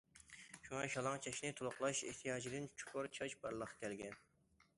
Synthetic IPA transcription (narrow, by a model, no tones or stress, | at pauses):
ʃuŋɑʃɑlˠɑŋt͡ʃʰɑʃnɪt̪ʰolˠʊχlˠɑʃeht̪ʰijɑːd͡ʒid̪ɪnt͡ʃʰu̥kʰʊɾt͡ʃʰɑʃbɑɾlˠəqʰːɑ̥kʲʰɛlɡʲɛn